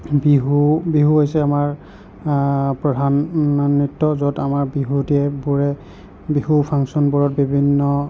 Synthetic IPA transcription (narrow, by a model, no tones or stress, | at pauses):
biɦubiɦuɦojsɛamaɹ | pɹɔdʱannːitːɔzɔtamaɹbiɦudiɛbuɹɛ | bihupʰaŋsɔnbɔɹɔt̚bibʱinːɔ